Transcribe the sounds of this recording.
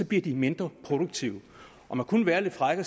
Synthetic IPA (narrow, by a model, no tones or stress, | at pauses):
ɒ̽b̥liɐd̥ime̝nd̥ʁɐpʰʁo̝d̥oɡ̥̚t͡sʰiʊə | ʔɒ̽mækʰunʋæːɐle̝d̥fʁaɡ̥ɐ